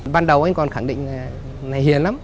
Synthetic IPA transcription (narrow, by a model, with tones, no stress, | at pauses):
ɓaː˧nɗə˨˩wʔa˧ŋ̟kɔ˨˩nxaː˧˩ŋɗḭ˧˨ŋ̟aː˨˩ | na˨˩jɦi˨˦ənla˨˧˦m